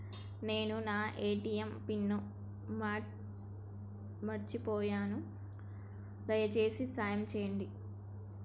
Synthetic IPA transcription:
ne̞ːnunaːʔeːʈijempinːu | ma | mɐɾt͡ʃipɔːjaːnu | d̪ɐjɐt͡ʃe̞ːsisaːjɐmt͡ʃɛːjɐɳɖi

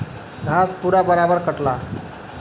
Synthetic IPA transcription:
ɡʱaspuɾabəɾabəɾkəʈla

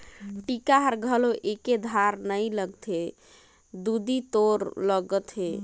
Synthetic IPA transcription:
ʈikaɦəɾɡʱəloʔeked̪ʱaɾnəjləɡt̪ʰe | d̪ud̪it̪oɾləɡət̪ʰɦe

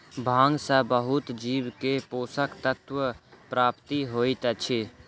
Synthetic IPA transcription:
bʱãːŋɡsəbəɦʊt̪d͡ʒiːʋkepoːsəkt̪ət̪ʋəpɾaːpt̪iɦoːit̪ət͡ʃʰi

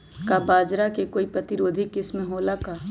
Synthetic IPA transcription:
kabaːd͡ʒɾakekoːipɾɐt̪ɪɾoːd̪ʱikɪsmẽɦoːlakaː

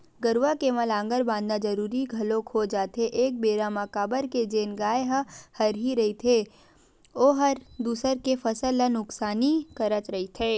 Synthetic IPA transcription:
ɡəɾwʋakeməlãːŋɡəɾbãːnd̪nad͡ʒɐɾuːɾiɡʱɐlõkʰod͡ʒaːt̪eʔeːk̚beːɾamakaːbəɾked͡ʒeːnɡaːeɦəhɐɾɦiɾɐɦit̪ʰe | oːɦɐɾd̪uːsəɾkefʰɐsəlːənʊksaːnikɐɾət̪ɾɐɦit̪ʰeː

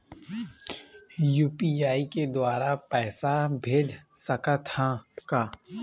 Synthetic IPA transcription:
juːpiaːiked̪waːɾapɛːsabʱeːd͡ʒ | səkat̪ʰakaː

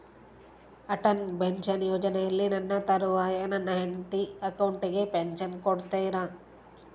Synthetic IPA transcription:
ɐʈɐnbenʃɐnjoːd͡ʒɐnejɐlːinɐnːɐt̪ɐɾuʋaːjɐnɐnːɐɦeɳʈ̪iɐkɐwɳʈiɡepenʃɐnkoɽt̪eːɾaː

